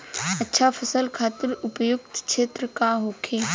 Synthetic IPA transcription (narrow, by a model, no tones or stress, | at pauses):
ɐtːʃʰapʰəsəlkʰaːt̪ɪɾʊpəjʊkt̪ʃeːt̪ɾəkaɦoːkʰeː